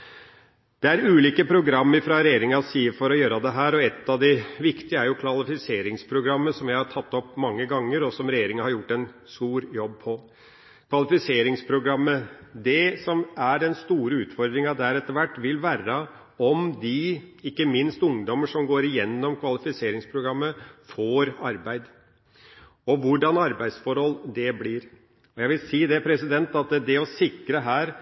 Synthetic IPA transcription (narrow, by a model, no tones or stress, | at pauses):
d̪̥ɛæɾʉːliːkəpʰɾʊɡɾɑmːəɾfɾɑɾɛjeːɾɪŋɑsiːəfɔɾɔjøːɾɑd̪ɛɦæːɾɔɛt̪ːɑʋd̪ɪʋɪkt̪ɪəæɾjʊkʰʋɑlɪfɪseːɾɪŋspʰɾʊɡɾɑmːəsɔmjæɪhɑʈʰɑt̪ːɔpːmɑŋːəɡɑŋːəɾɔsɔmɾɛjeːɾɪŋəhɑɾjʊʈːɛnst̪uːɾjɔb̚pʰɔ | kʰʋɑlɪfɪseːɾɪŋspʰɾʊɡɾɑmːəd̪ɛsɔmæɖɛnst̪uːɾəʉːt̪fɔɾd̪ɾɪŋɑd̪æɾɛt̪ːəɾʋæʈːʋɪlʋæːɾə | ɔmd̪ɪɪkːəmɪnst̪ʊŋd̪ɔməʂɔmɡoːɾɪjɛnːɔmkʰʋɑlɪfɪseːɾɪŋspʰɾʊɡɾɑmːəfoːɾɑɾbæɪd̪ | ɔʋʊɖɑnɑɾbæɪsfɔɾhɔlːd̪ɛblɪɾ | ɔjæɪʋɪlsiːd̪ɛpʰɾɛsɪd̪ɛnt̪ɑt̪d̪ɛɔsɪkɾəɦæːɾ